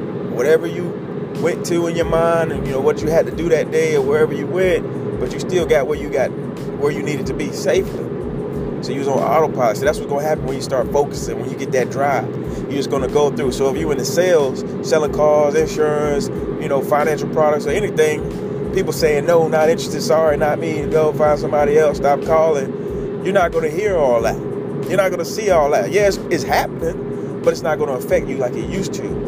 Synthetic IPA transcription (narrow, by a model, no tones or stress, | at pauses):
wʌɾɛvə˞jɨ | wɛ̃ntʰɨɪ̃njə˞mãɪ̃ndɨ̃njɨnoʊwʌt͡ʃɨɨd̚tɨdɨðɨt̚d̥eɪəwə˞ɛvə˞jɨwɛ̃nt̚ | b̥ʌt͡ʃɨstɪlˠɡɑʔ̚wə˞jɨɡɑt̚ | wə˞jɨniɾɨd̚tʰɨbiseɪfli | soʊjɨwʌz̩ɑ̰ɾl̩ˠpʰɹɑɾɨksoðætswʌt̚ɡ̥ʌ̃nəɦæpn̩wə̃njɨstɑɹtfoʊkɨ̥sɪ̃ŋwə̃njɨɡɛt̪̚ðɨt̚dɹaɪv̥ | jəd͡ʒʌsɡ̥ʌnɨɡoʊθɹʉsoʊəfjɨɨ̃nðɨseɪlˠz̥ | sɛlˠɪ̃kʰɔzɨ̃nʃʊɹɨ̃ns | jɨnoʊfãɪ̃næ̃nʃl̩ˠpʰɹ̥ɑɾɨk̚tsɨɛniθɪ̃ŋ | pipl̩ˠseɪɪ̃ŋnoʊnəɾɪ̃nt͡ʃɹ̥ɨstɨ̃dsɑɹinət̚miɨɡoʊfãɪ̃nsʌ̃mbɑɾiɛlˠstɑp̚kʰɔlˠɪ̃ŋ | jə˞nət̚ɡ̥ʌnɨɦiɹɔlˠðæ̰t̚ | jə˞nət̚ɡ̥ʌnəsiɔlˠðæt̚jæɨtsɨtshæpənɪ̃ŋ | b̥ʌɾɨtsnət̚ɡ̥ʌ̃ñəəfɛk̚t͡ʃɨlaɪkɨjʉstʰʉ̰